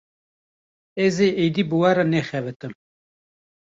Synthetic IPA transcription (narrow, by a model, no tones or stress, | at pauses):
ɛzeʔejd̪iːbɨwaɾanɛxɛvɨt̪ɨm